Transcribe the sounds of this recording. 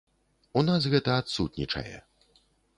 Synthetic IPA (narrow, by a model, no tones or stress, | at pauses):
unasɣɛt̪ɐːt̪sut̪nʲit͡ʂɐ̰jɛ̰